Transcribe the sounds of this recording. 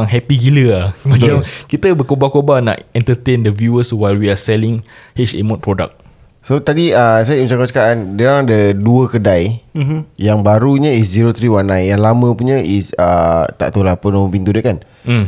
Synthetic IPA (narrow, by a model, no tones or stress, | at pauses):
ŋɦɛpiɡiləaad͡ʒakit̪əbəkobakobana̰ʔɛ̃nt̪ət̪ẽndəvjuəswajlwiasɛlĩŋhet͡ʃḛmɔ̃t̪̚pɾɔda̰k̚ | sot̪adiəs̬ajəiməsãŋkat͡ʃəkaʔandaɾaŋadəduəkədaj | jaŋbaɾuɲəis̬ziɾot̪ɾiwanãjnjaŋlamə̃puɲə̃ʔisə̰t̪a̰ʔt̪olapənõmə̃pint̪udəkan̩